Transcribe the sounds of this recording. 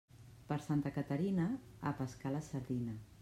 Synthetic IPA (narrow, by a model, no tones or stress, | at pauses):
pəɾsant̪əkət̪əɾinəəpəskaləsəɾðinə